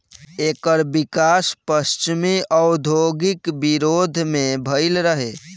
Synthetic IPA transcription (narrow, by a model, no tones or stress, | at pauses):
ekəɾbikaspəst͡ʃimiəʊd̪ʱoɡikbiɾod̪ʱmẽbʱəɪlɾəɦe